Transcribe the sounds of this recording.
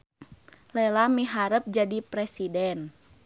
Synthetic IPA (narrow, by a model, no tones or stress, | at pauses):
lɛlamiɦaɾəp̚d͡ʒadipɾɛsidɛn